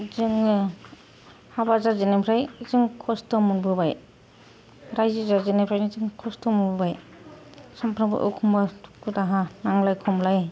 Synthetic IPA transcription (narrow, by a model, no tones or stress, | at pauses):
zɯŋ | habazazinapʰɾajzɯŋkʰɔstɔmunbɯbaj | ɾajzizazinepʰɾajnizɯŋkʰɔstɔmunbɯbaj | sampʰɾaŋbɯ̰ʔɔ̰kʰumbḁkutaɦanaŋlajkʰɔmlaj